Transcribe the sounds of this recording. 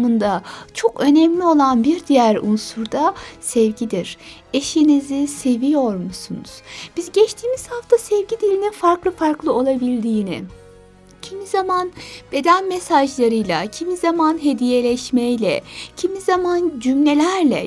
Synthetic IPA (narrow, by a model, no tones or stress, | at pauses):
mɯnd̪at͡ʃʰo̞kø̞nɛmlʲio̞lˠanbiɾd̪ijæɾunsuɾd̪asɛvɟid̪iɾ̥ | eʃinizise̞vijo̞ɾmusunṵz̥b̥izɟɛt͡ʃt̪ʰiːmiz̥haft̪ʰasɛvɟid̪ilʲininfaɾklˠɯfaɾklˠɯo̞lˠabilʲd̪iːnɪ̰ | cʰimizamanb̥e̞d̪ænmesaʒlˠaɾɯjlˠa̰cʰimizamanɦe̞d̪ije̞lʲɛʃmejlʲɛ̰cʰimizamand͡ʒymlʲe̞lʲæɾlʲɛ̰